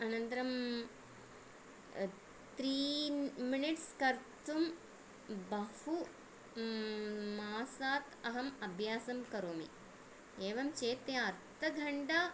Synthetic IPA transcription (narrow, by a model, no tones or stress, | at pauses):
ɐnɐnt̪ɾɐm | t̪ɾiːminiʈskɐɾt̪um | bɐhu | maːsaːt̪ɐɦɐmɐbʱjaːsɐmkɐɾoːmḭ | eːʋɐmt͡ʃeːt̪eɐɾt̪ʰɐɡʱɐɳɖaː